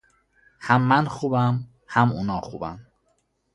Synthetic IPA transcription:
hæmːænxuːbæm | hæmunɒːxṵːbæ̰n

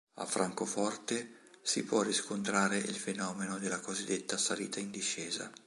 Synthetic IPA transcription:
a̰fːɾaŋkofɔrt̪e | sḭpwɔrːiskont̪ɾaːɾeʔilfenɔːmenod̪elːakozid̪ːet̪ːasalḭːt̪ʰaind̪iʃːɛːza̰

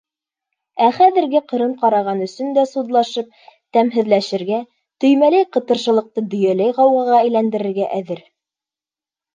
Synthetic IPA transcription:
æχæðɘ̆ɾɡɘqɤ̆ɾɤɴqɑɾɑʁɑnɵ̆sɵnd̪æsud̪lˠɑʃɤp̚t̪æmɦɘ̆ðlæʃɘ̆ɾɡæ | t̪ɵ̆jmælæjqɤ̆t̪ɤ̆ɾʃɤ̆lˠɤ̆q̚t̪ɤd̪ɵ̆jælæjʁɑwʁɑʁɑæjlænd̪ɘ̆ɾɘ̆ɾɡæʔæðɘɾ

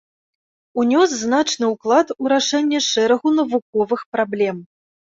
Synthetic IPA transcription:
unʲɔsːnat͡ʂnɨuklˠat̪uɾaʂɛnʲːɛʂɛɾɐɣunɐvuk̚ɔvɨxpɾablʲɛm

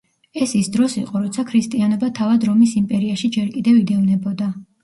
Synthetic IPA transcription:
ɛsisd̪ɾɔsḭqʼɔɾɔt̪sʰakʰɾist̪ʼianɔbat̪ʰavad̪ɾɔmisimpʼɛɾiaʃid͡ʒɛɾkʼid̪ɛvid̪ɛvnɛbɔd̪a

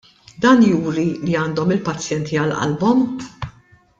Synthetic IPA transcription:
d̪ɐːnjuːɾiliɐːnd̪ɔmɪlpɐt͡sːjɛnt̪ʰiɐlʔɐ̰lbɔm

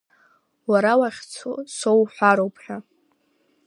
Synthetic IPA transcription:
waɾawaχʲt͡sʰosowħʷaɾowpʰħᶣa

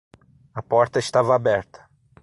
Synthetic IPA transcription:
ɐpɔɾt̪ɐɪst̪avɐabɛɾt̪ɐ̥

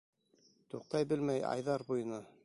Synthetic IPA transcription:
t̪uq̚t̪ɑjbɘlmæjɑ̰jðɑɾbujɤ̆nɑ

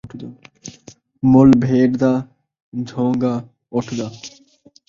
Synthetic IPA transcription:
ʈʰd̪ | molbʱeːɾd̪a | d͡ʒʱoːŋɡa | ɔʈʰd̪a

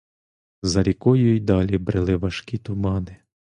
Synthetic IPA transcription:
zɐɾʲikɔjʊjd̪ɑlʲibɾɪlˠɪʋɐʃkʲit̪ʊmɑnɪ

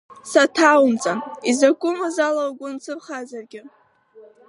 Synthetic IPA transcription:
satʰawmt͡sʼanizakʷʼʊmazalawɡʷʊnt͡sʰɨrχazarɡʲɪ

